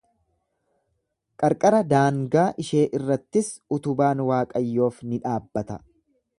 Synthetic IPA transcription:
kʼɐɾkʼɐɾɐd̪aːŋɡaːʔɪʃe̞ːʔɪrːɐt̪ːɪsʊt̪ʊbaːnwaːkʼɐjːo̞ːfnɪᶑaːbːɐt̪ɐ̰

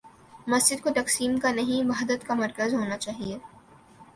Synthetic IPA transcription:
mɐsd͡ʒɪd̪̚kot̪ɐqsiːmkanɐɦĩʋaɦd̪ət̪kamɐɾkəzɦoːnat͡ʃaːɦie

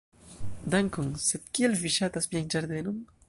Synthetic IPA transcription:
d̪aŋkoŋsed̪kielviʃat̪asmiand͡ʒaɾd̪enom

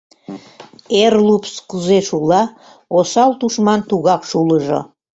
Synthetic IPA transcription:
erlupskuzeʃulˠɑ | osɑlt̪uʃmɑnt̪uɣɑkʃuləʒo̰

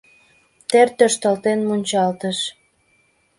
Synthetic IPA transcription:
t̪ert̪øʃt̪əlt̪enmunʲt͡ɕɑlt̪əʃ

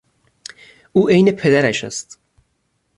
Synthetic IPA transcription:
uːʔejne̞pʰe̞d̪æɾæʃæ̰st̪

